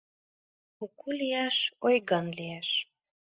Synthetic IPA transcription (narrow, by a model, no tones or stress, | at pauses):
kukuliæʃojɣɑnliæʃ